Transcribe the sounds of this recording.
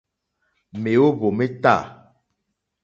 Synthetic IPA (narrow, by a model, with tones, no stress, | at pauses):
me˨o˦bo˨me˦ta̰˦˨